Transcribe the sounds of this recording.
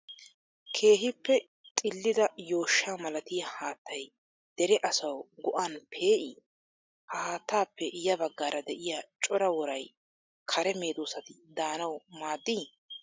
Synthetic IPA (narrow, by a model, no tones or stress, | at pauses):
kʰe̞ːɦɪpːɛ | t̪ʼɪlːɪd̪ɐjo̞ːʃːaːmɐlɐt̪ɪjɐhaːt̪ːɐj | d̪̥ɛɾɛʔɐsɐwɡɔʔanpʰe̞ːʔɪ | hahaːt̪ːaːpːɛʔɪjɐbɐɡːaːɾɐd̪ɛʔɪjat͡ʃʼɔɾɐwɔɾɐj | kʰɐɾɛme̞ːd̪oːsɐt̪ɪd̪aːnɐwmaːd̪ːi